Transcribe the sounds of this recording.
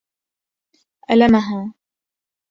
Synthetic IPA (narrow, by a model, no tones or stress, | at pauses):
ʔalamaɦaː